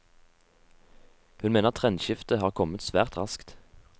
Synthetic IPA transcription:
hʉnmeːnəʁt̪ʰʁɛnʃɪft̪əhɑːʁkʰɔmət̪sʋæːʁt̪ʁɑskt̪

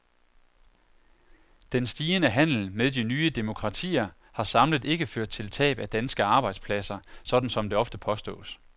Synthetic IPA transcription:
d̥ensd̥iːənəɦæn̰l̩meðˠdinyːəd̥e̝mo̝kʰʁɑ̈t͡sʰḭːɐ | hɑ̈sɑ̈mləð̩ˠe̝ɡ̥əføɐ̰d̥̚t͡sʰe̝lt͡sʰɛ̰ːb̥æd̥ænsɡ̥əɑ̈ːb̥ɑ̈ɪd̥spʰlæsɐsɒ̽d̥n̩sɒ̽md̥e̝ɒ̽fd̥əpʰɒ̽sd̥ɔ̰̽ːs

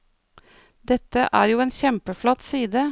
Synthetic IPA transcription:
d̪ɛt̪əʔæːɾjuːeːnçɛmpəflɔt̪siːd̪ə

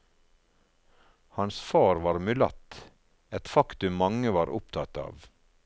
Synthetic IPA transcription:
hɑnsfɑːɾʋɑːɾmʉlɑ̰t̪ | ɛt̪fɑkt̪ʉmːɑŋəʋɑːɾʔʊ̰p̚t̪ʰɑt̪ɑ̰ːʋ

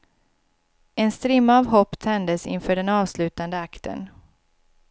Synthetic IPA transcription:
ɛnst̪ɾɪmːaaːvɦɔpːt̪ʰɛnd̪əsɪ̰nfœːɖɛnɑːvslʉ̟ːt̪and̪əakt̪ʰə̰n

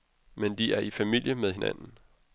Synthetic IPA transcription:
mend̥iæɐifæmil̰jəmeðˠhe̝næ̰nn̩

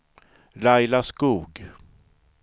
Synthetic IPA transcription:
lajlaskuːɡ

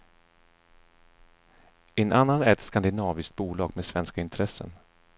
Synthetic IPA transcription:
ɛnanːanæɾɛt̪skand̪ɪnɑːvɪskt̪̚buːlɑːɡmeːd̪svɛnskaɪnt̪ʰɾɛsːə̰n

